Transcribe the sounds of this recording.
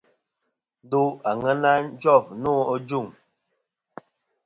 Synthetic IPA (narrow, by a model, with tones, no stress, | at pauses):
do˦a˨ŋə˦na˦n̩˦d͡ʒɔ˦˨vno˦ɔ˦d͡ʒu˦˨ŋ